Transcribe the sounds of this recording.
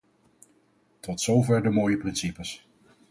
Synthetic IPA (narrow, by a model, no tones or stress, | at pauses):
tɔtsowvɛɹdəmoːjəprɪnsipəs